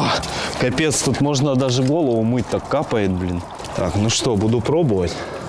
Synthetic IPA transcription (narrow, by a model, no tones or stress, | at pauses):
akɐpʲe̞t̪st̪ut̪mo̞ʐnəd̪aʐɨɡo̞lˠəvʊmɨt̚ʲt̪akːapəjɪt̪̚blʲin | t̪a̰knuʂt̪obud̪ʊpɾobɨvətʲ